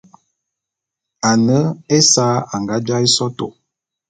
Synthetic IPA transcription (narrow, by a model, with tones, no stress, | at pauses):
a˨nə˦e˦saː˨˦a˨ŋɡa˦d͡ʒa˦i˦sɔ˦to˨